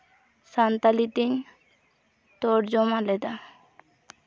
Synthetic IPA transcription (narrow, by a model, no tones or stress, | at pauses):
sant̪alit̪iɲ | t̪ɔʈd͡ʒɔmalɛd̪a